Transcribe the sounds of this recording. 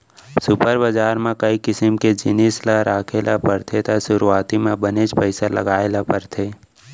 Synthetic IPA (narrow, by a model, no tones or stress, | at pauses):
sʊpəɾbəd͡ʒaːɾmẽkɐikɪsəmked͡ʒɪnislaɾaːkʰelapəɾt̪ʰet̪aʃʊɾuaːt̪imẽbəned͡ʒpəɪsalɐ̰ɡaːelapəɾt̪ʰeː